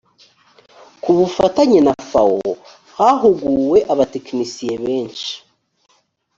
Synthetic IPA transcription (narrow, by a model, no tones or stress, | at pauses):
kuβufataɲinafao | haɦuɡuːwe̞ʔaβateknisijeβe̞ːnʃi̥